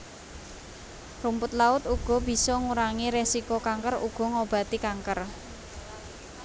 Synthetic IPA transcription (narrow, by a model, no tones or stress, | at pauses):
rumpʊt̪̚laʊt̪uɡ̥ɔ̤b̥i̤sɔŋuɾaŋiɾesikokaŋkərṵɡ̥ɔ̤ŋob̥ä̤t̪ikaŋkər